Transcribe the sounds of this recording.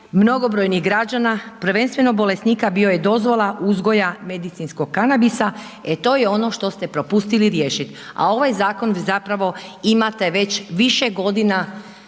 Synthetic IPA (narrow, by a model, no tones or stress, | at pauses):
mno̞ɡo̞bɾo̞jniɦɡɾad͡ʑanapɾ̩ʋe̞nst̪ʋe̞no̞bo̞lesnikabio̞je̞d̪o̞zʋo̞lˠaʔuzɡo̞jame̞d̪it̪sinsko̞ɡ̚kanabisa | e̞t̪o̞ːjeo̞no̞ʃt̪o̞st̪e̞pɾo̞pust̪iliɾje̞ːʃit̪a̰o̞ʋajzaːko̞nzapɾaʋo̞imat̪e̞ʋe̞t͡ɕʋiʃeɡo̞d̪ina